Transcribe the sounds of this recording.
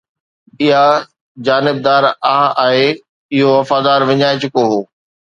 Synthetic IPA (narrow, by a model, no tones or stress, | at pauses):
ɪɦa | d͡ʑaːnɪb̚d̪aːɾaːaːɦe | ɪɦoʋɐfaːd̪aːɾʋɪɲaːɪt͡ɕʊkoɦoː